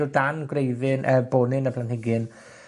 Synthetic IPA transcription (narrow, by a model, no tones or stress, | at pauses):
ʊdanɡwrejðɪnʔəboːnɪnəpʰlanhɪɡɨn